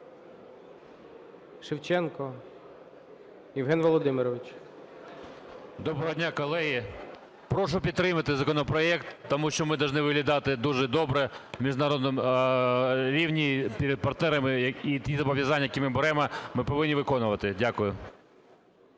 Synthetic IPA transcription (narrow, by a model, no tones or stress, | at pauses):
ʃɪwt͡ʃɛnkɔ | jɪwɦɛnʋɔlˠɔd̪ɪmɪɾɔʋɪt͡ʃ | d̪ɔbɾɔɦɔdʲnʲakɔlˠɛɦi | pɾɔʃʊpʲid̪ɾɪmɐt̪ɪzɐkɔnɔpɾɔɛkt̪ːɔmuʃt͡ʃɔmɪd̪ɐwʒnɪʋɪɦlʲɐd̪ɑt̪ɪd̪uʒɛd̪ɔbɾɛmʲiʒnɐɾɔd̪nɔm | ɾʲiwnʲipʲiɾʲɛd̪̚pɐrt̪nɛɾɐmɪit̪ʲizɐbɔʋjɐzɑnʲːɐjɐkʲimɪbɛɾɛmɔmɪpɔʋɪnʲːiʋɪkɔnʊʋɐt̪ɪdʲakʊjʊ